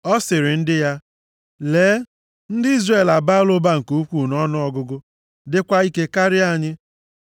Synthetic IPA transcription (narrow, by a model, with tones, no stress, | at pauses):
ɔ˦sɪ˨ɾɪ˨n̩˦dɪ˦ja˦ | leː˨˦ | n̩˦dɪ˦i˦zre˦˨la˨ba˦lʊ˦ba˦ŋ̩˨ku˦u˦kʷu˦˨nɔ˦nʊ˦ɔ˦ɡʊ˦ɡʊ˦ | dɪ˦kʷa˦i˦ke˦ka˦ɾɪ˦a˦˨ɲɪ˦